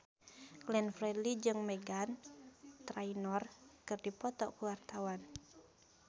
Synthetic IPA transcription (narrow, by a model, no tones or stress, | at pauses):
ɡlɛnfɾɛlid͡ʒɨŋmɛɡant̪ɾainɔrkɨrdipɔt̪ɔ̰kuwart̪awan